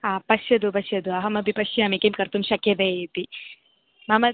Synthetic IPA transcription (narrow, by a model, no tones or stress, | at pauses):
aːpɐʃjɐd̪upɐʃjɐd̪uɐɦɐmɐbʱipɐʃjɐɐːmekemkɐɾt̪umʃɐkːjɐd̪ɐt̪i | mɐmɐ